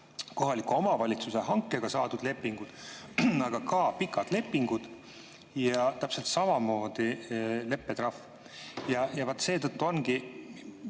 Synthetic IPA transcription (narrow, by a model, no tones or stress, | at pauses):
ko̞ɦɑlikuo̞mɑvɑlʲit̪suse̞ɦɑŋkːe̞ɡ̥ɑsɑːd̪ud̪le̞pːiŋɡ̥ud̪̥ɑɡ̥ɑkɑpikːˑɑd̪̥le̞pːiŋɡ̥ud̪̥ | jɑt̪æpse̞lt̪sɑmɑmo̞ːd̪̥ile̞pːet̪rɑf | jɑjɑvɑt̪ːˑse̞ːt̪ɤt̪ːuo̞nɡi